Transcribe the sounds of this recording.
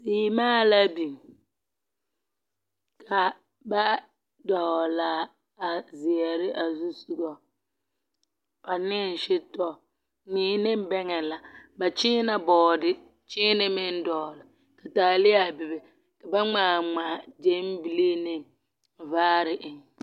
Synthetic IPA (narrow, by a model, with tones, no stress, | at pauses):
siː˨˦maː˦la˦bi˨m | kʰa˨ | ba˦ | dɔ˨ɣla˨ | a˨zɪ˨ɛ˨ɾɪ˦ʔa˨zu˦su˦ɡɔ˨ | pa˨nɪ˦n˨ʃɪ˦tɔ˦ | niː˦nɪ˦m˦bɛ˦ŋɛ˨la˨ba˨t͡ʃɪ˦na˦bɔː˨dɪ˦ | t͡ʃɪ˦nɪ˦mɪ˦n˦dɔ˨lɪ˨ | ka˨taː˨lɪ˦a˦˨bɪ˨bɛ˨ | ka˨ba˦ŋ͡maː˨ŋ͡ma˨d͡ʒe˦m˦bi˦˨le˦nɪ˦ | vaː˦ɾɪ˨ʔɪ˨ŋ˨